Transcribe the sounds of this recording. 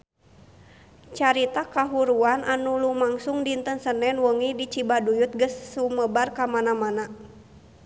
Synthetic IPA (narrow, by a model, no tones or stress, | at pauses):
t͡ʃaɾit̪akaɦuɾuanʔanulumaŋsuŋdint̪ənsənɛnwəŋidit͡ʃibadujut̪̚ɡəsːuməbarkamanamana